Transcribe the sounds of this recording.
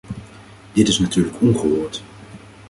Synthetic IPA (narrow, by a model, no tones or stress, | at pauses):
d̥ɪtɪsnatyːɹləkɔŋχəɦʊːɹt